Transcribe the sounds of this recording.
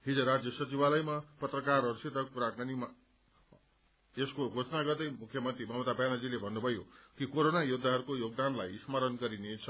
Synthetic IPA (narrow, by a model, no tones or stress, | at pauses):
ɦid͡zʌɾad͡zjʌsʌt͡sibalʌjmapʌt̪rʌkarʌɾusit̪ʌkuɾakanima | eskoɡʱot͡snaɡʌrd̪ʌjmukʰːjʌmʌnt̪ribʱʌmut̪abjanʌd͡zilebʱʌnːubʱʌjokikoɾonajud̪ʱaɦʌɾukojoɡ̚d̪anlajismʌɾʌnɡʌɾinet͡sʰʌ